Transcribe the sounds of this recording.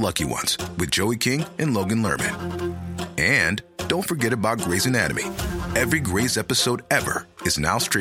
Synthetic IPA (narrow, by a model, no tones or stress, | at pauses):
lʌkiwʌ̰̃nz̥wɨðd͡ʒoʊikʰɪ̃ŋʔɨ̃nloʊɡɨ̃nlɜ̰˞mɨ̰̃n | ɨ̃nd̥õʊ̃ntfə˞ɡɛɾɨbaʊt̚ɡ̥ɹeɪzɨnæɾɨ̰mḭɛvɹiɡɹeɪzɛpɨsoʊɾɛvə̰˞ɨzna̰ʊstɹ̥